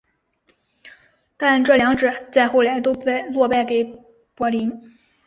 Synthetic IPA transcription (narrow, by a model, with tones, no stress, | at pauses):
t̪a˥˧nʈ͡ʂɤ˥˩ljɑ˧˥ŋʈ͡ʂɻ̩˨˩t͡sa˥˧ɪxo˥˩ʊla˧˥ɪt̪̬o˥ʊpe˥˧ɪlwɔ˥˧pa˥˩ɪke˨˩ɪ | pwɔ˧˥li˧˥n